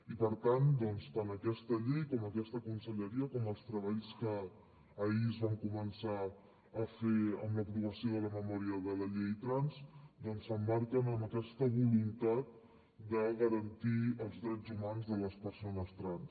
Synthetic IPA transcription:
ipəɾt̪and̪ɔnst̪anəkɛst̪əʎejkɔməkɛst̪əkunsəʎəɾiəkɔməlˠst̪ɾəβaʎskəː | iəzβaŋkumənsa | əfeə̰mləpɾuβəsioðələməmɔɾiəðələʎejt̪ɾansd̪ɔnsəmːaɾkənəməkɛst̪əβulunt̪at̪̚ | d̪əɣəɾənt̪iəlˠzðɾɛd͡zumanzðələspəɾsonəst̪ɾans

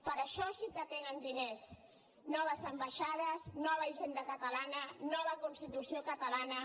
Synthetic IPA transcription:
pəɾəʃɔsikət̪enənd̪ines | nɔβ̞əzəmbaʃað̞əznɔβəiʒend̪əkət̪əlanənɔβ̞əkunst̪it̪usiokət̪əlanə

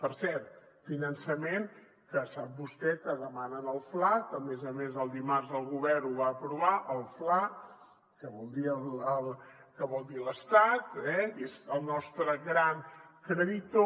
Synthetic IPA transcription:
pəɾsɛɾt̪ | finənsəmeŋ | kəsap̚bust̪ɛkəðəmanənəlˠflakəmezəmezəlˠd̪imarzəlˠɣuβɛrnuβaːpɾuβaʔəlˠfla | kəβɔlˠd̪iələlˠ | kəβɔlˠd̪iləst̪at̪ɛezəlˠnɔst̪ɾəɣɾaŋkɾəðit̪o

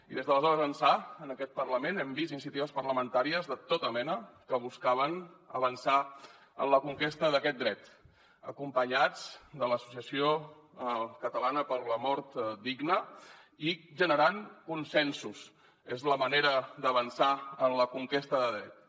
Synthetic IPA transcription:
iðezðələzɔɾəzənsaənəkɛt̪̚pərləmenɛmbizinis̬iət̪iβəspərləmənt̪aɾiəzðət̪ot̪əmɛnəkəβ̞uskaβ̞ənə̰βənsa | ə̰nləkuŋkest̪əðəkɛt̪̚d̪ɾɛt̪ | ə̰kumpəɲad͡zd̪ələsu̥siəsio | kət̪əlanəpəɾləmɔɾt̪d̪iɡnə | iʒənəɾaŋkunsɛnsus | ezləməneɾəd̪əβənsaənləkuŋkest̪əðəðɾɛt̪̚

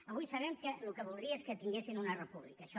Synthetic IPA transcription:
ɐβujsɐβɛmkəlukəβulˠd̪ɾiɐeskət̪iŋɡesinunɐrepuβlḭkaʃɔ

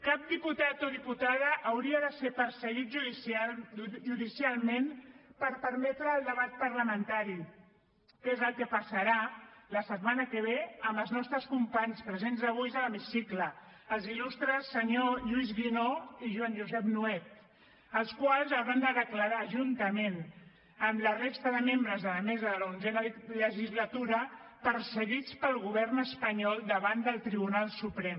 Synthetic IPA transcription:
kap̚d̪iput̪at̪oðiput̪aðəʔːwɾiəðəsepəɾsəɣit̪̚ʒus | ʒuðisialˠmẽnpəɾpəɾmɛt̪ɾəːlˠd̪əβ̞at̪̚pəɾləmənt̪aɾi | kezəlˠkəpəsəɾaləsət̪manəkəβ̞eəməlˠznɔst̪ɾəskumpaɲspɾəzenzðəβujzələmisiklə | əlˠzilust̪ɾəsːəɲoʎuizɣinoiʒwanʒuzɛpnuɛt̪̚ | əlˠskwalˠzawɾand̪əðəkləɾaʒunt̪əmen | əmlərest̪əðəmembɾəzðələmɛzəðələunzɛnələʒizlət̪uɾə | pəɾsəɣit͡spəlˠɣuβ̞ɛrnəspəɲɔlˠd̪əβand̪əlˠt̪ɾiβunalˠsupɾɛm

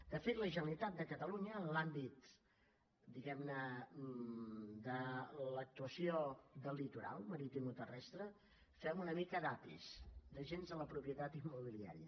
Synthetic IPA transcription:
d̪əfet̪ləʒənəlit̪at̪̚d̪əkət̪əluɲəːnlambit̪ | d̪iɣɛmnə | d̪ələk̚t̪uəsiod̪əlːit̪uɾa̰lˠməɾit̪imut̪ərɛst̪ɾə | fɛmunəmikəd̪apḭsd̪əʒenzðələpɾupjət̪at̪imːuβ̞ilia̰ɾiə

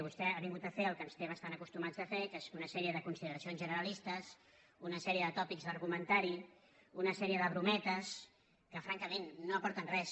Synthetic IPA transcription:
βust̪ɛaβiŋɡut̪əfeəlˠkənst̪eβəst̪anəkust̪umad͡zd̪əfekezunəsɛɾiəðəkunsiðəɾəsionzʒənəɾəlist̪əs | unəsɛɾiəðət̪ɔpikzðəɾɣumənt̪aɾi | unəsɛɾiəðəβɾumɛt̪əs | kəfɾaŋkəmenːoəpɔɾt̪ənrɛs

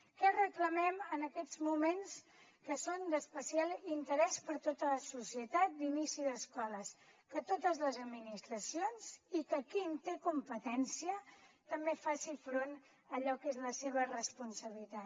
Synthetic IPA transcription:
kɛrəkləmɛmənəkɛd͡zmumens | kəsond̪əspəsialˠint̪əɾɛspəɾt̪ot̪ələsusiət̪at̪̚d̪inisiðəskɔləskət̪ot̪əzləzəd̪minist̪ɾəsionzikəkint̪ekumpət̪ɛnsiət̪əmbefasifɾon | əʎɔkezləseβ̞ərəspunsəβilit̪a

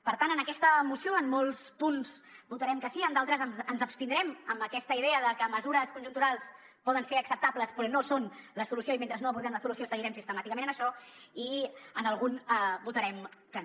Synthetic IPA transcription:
pəɾt̪anənəkɛst̪əmusioəmmolˠspunzbut̪əɾɛmkəsiəmd̪alˠt̪ɾəznzənzəpst̪ind̪ɾɛməmbəkɛst̪əiðeəðəkəməzuɾəskunʒunt̪uɾalˠs | pɔðənseɾəksəp̚t̪apləspɾɔnosonləsulusioiment̪ɾəznoəβuɾðɛmləsulusiosəɣiɾɛmsist̪əmat̪ikəmẽnənəʃɔiənəlˠɣunbut̪əɾɛmkə

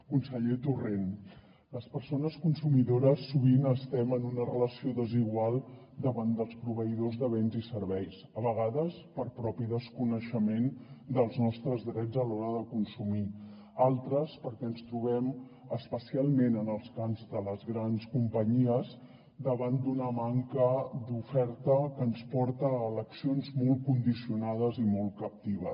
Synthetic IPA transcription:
kunsəʎet̪uren | ləspəɾsonəskunsumiðoɾəsːuβ̞inəst̪ɛmənunərələsioðəziɣwalˠ | d̪əβand̪əlˠspɾuβ̞əiðozðəβɛnzisəɾβɛjs | əβəɣ̞aðəspəɾpɾɔpiðəskunəʃəmend̪əlˠznɔst̪ɾəzðɾɛd͡zəlɔɾəðəkunsumi | alˠt̪ɾəspəɾkɛənst̪ɾuβ̞ɛm | əspəsialˠmenənəlˠskanzd̪ələzɣɾanskumpəɲiəz | d̪əβand̪unəmaŋkəd̪ufɛɾt̪əkənspɔɾt̪əːləksionzmɔlˠt̚kund̪isiunað̞əzimɔlˠkəp̚t̪iβə

